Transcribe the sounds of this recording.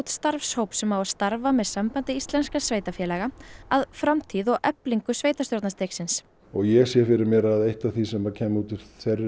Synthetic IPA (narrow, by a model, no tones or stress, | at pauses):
t̪st̪aɾfshowpsɛmawast̪aɾvamɛðsampant̪ɪist̪lɛnskasveːjt̪afjɛːlɛːɣaaðfɾamt̪ʰiðɔɣɛpliŋkʏsveːjt̪ast̪jowɾt̪nast̪ejksɪns | ɔɣjɛɣsjɛfɪɾɪɾmjɛɾaðejht̪aθisɛmacʰɛːmuːt̪ɪɾθɛrɪ